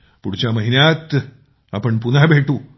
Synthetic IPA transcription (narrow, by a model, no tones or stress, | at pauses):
puɽit͡ɕːaːmɐɦinaːt̪ː | ɐpːɐɳp̬unaːbeːʈːu